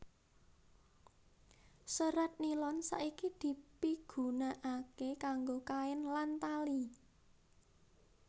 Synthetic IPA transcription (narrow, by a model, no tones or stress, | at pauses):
səɾat̪̚nilɔnsa̰ʔikid̪̥i̤piɡ̥ṳnaʔakekaŋɡokaɛnlant̪ali